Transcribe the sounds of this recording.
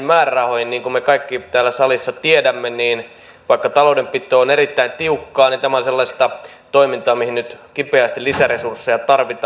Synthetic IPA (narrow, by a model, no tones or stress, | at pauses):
mmæːrærɑhohinniːŋkumekɑikːiːt̪æːlːæsɑlisːɑt̪iedæmːeniːn | ʋɑikːɑt̪ɑloudempit̪ːˑoːonerit̪ːæint̪iukːɑːnint̪æmæonselːɑst̪ɑ | t̪oimint̪ɑːmihinnyt̪kipeæst̪ilisæresursːejɑt̪ɑrʋit̪ː